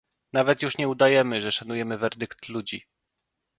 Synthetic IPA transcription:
navɛt̪juʂɲɛud̪ajɛmɘʐɛʂanujɛmɘvɛɾd̪ɘkt̪lud͡ʑi

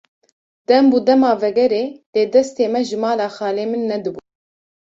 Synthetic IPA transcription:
d̪̥ɛmbuːd̪ɛmɑːvɛɡɛɾeːleːd̪ɛst̪eːmɛʒɨmɑːlɑːxɑːleːmɨnːɛd̪ɨbu

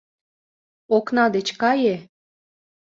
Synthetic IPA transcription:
oknɑd̪et͡ɕkɑje

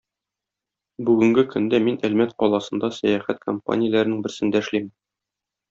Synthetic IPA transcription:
bʉɡɘ̆ŋɡɘkɵ̆nd̪æminælmæt̪̚qɒlˠɑsɤ̆nd̪ɑsæjæχæt̪̚kompa̰nʲɪjlæɾɘ̆nɘŋbɘ̆ɾsɘ̆nd̪æɘ̆ʃlimɘ

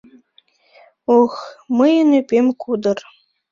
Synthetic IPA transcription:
oxməjənypemkud̪ə̆r

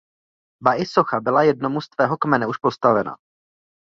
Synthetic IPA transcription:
baʔɪso̞xabɪlajɛd̚no̞must̪vɛːɦokmɛnɛuʃpo̞st̪avɛna̰

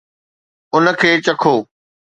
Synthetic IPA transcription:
ʊnə̆kʰeːt͡ɕɐkʰoː

